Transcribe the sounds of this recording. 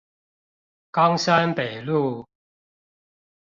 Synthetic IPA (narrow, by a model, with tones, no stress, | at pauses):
kɑ˦ŋɕa˦npe˨˩ɪlu˥˨